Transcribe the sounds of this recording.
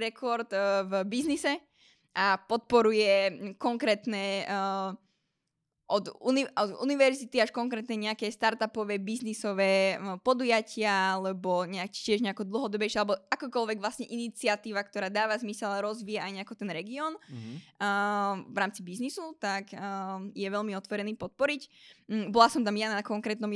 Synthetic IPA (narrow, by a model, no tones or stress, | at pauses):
ɾɛkʰɔɾt̪vbiznisɛ | ʔapɔt̪̚pɔɾujɛkɔŋkɾɛːt̪nɛ | ʔɔd̪ṵniɔd̪ṵniʋɛɾzit̪iaʃkɔŋkɾɛːt̪nɛɲɛakɛːst̪aɾt̪apɔʋɛːbiznisɔʋɛːpɔd̪ujacɪaalɛbɔɲɛacːɪɛʒɲɛakɔd̪l̩ˠɦɔd̪ɔbɛjʃɛalɛbɔakɔːkɔlʋɛɡʋlasɲɛʔinit͡siat̪iːʋakt̪ɔɾaːd̪aːʋazmisɛlaɾɔzʋiːjaajɲɛakɔt̪ɛnɾɛɡiɔːnː | ʋɾaːmt͡sibiznisut̪akːjɛʋɛʎmiɔt̪ʋɔɾɛniːpɔt̪̚pɔɾicbɔlasɔmt̪amjanakɔŋkɾɛːt̪nɔm